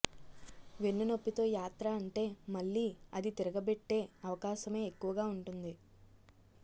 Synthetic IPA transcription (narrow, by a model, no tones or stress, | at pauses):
ʋenːuno̞pːit̪o̞ːjaːt̪ɾaːɳʈe̞ːmɐɭːiːɐd̪it̪iɾɐɡɐbe̞ʈːe̞ːɐʋɐkaːʃɐme̞ːkːuʋɐɡaːuɳʈund̪i